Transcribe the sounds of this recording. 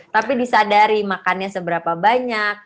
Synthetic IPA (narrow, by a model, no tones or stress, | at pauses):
t̪apidisadaɾimakanɲasəbəɾapabaɲak̚